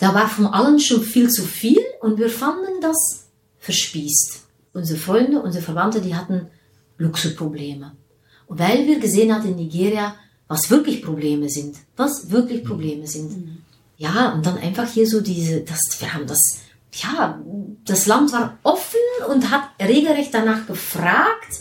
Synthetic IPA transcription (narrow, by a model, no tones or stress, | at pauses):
d̥aːvaːʁfɔnʔalənʃoːnfiːlt͡sufiːlʔʊntviːɐfandəndas | fɛɐʃpiːst | ʔʊnzəʁəfʁ̥ɔʏndəʔʊnzəʁəfɛɐvantədiːhatn̩ | lʊksʊspʁ̥obleːmə | vaɪlviːɐɡəzeːənhatəɪnːiɡeːʁja | vasv̥ɪɐklɪçpʁ̥obleːməzɪntvasv̥ɪɐklɪçpʁ̥obleːməzɪnt | jaːʊnt̚d̥anʔa̰ɪnfaχhiːɐzoːdiːzəd̥asv̥iːɐhaːbn̩das | jaːd̥aslantv̥aːɐʁʔɔfənʊnthatʁeːɡl̩ʁɛçt̚d̥anaːχɡ̥əfʁaːkt